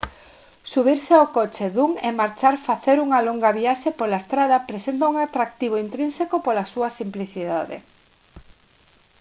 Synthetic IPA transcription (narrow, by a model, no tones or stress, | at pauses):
suβ̞iɾseaokot͡ʃeðuŋemaɾt͡ʃaɾfaθeɾuŋɐloŋɡɐβiaʃepolaest̪ɾað̞ɐpɾesent̪auŋat̪ɾak̚t̪iβ̞oint̪ɾinsekopolasuɐsimpliθiðaðḛ